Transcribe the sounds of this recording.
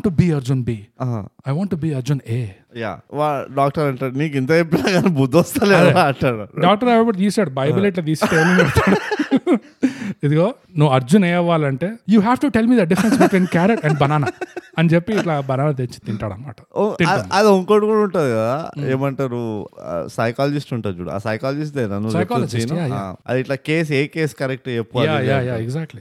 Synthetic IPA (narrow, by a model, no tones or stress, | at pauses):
ɳʈːubiːɐɾd͡ʒunbiːɦɐjʋaːɳʈːubiːɐɾd͡ʒuneː | ja̰ːʋaɖaːk̚ʈɐɾɐɳʈaːɽuniːk̬int̪ɐt͡ʃepːilaːɡaːnebud̪ʱːɔst̪aːlɛleaɐɳʈaːɽuɖaːk̚ʈɐɾɐʋɐbɐʈd̪iːsaːɽubɐjulɛʈ̬laːd̪iːsʈeːlunɐɽt̪aːɽu | id̪uɡoː | nuʋːɐɾd͡ʒuneːɐʋːaːlɐɳʈeːjuːɦɛːʋʈuʈelmiːd̪ɐɖifɾensbiʈʋiːnkaːɾɐʈɛ̃ɳɖbɐnaːnɐɐnit͡ʃepːiːʈlaːbɐnaːnɐt̪eɲt͡ʃi̥t̪iɳʈaːɽɐ̰nɐma̰ːʈɐ̥ot̪ĩɐd̪oŋkoɽukuuɳʈaːd̪ɡɐdd̪aeːmɐɳʈaːɾṵsɐjkaːlɐd͡ʒisʈuɳʈaːɾd͡ʒṵːɽṵa̰ːsɐjkaːlɐd͡ʒis̬ʈ̪enanusɐjkaːlɐiajaɐ̰d̪iiʈlaːkeːs̬eːkeːskɐɾɛk̚ʈɐepːjaːjaːjaːɛɡzaːk̚ʈli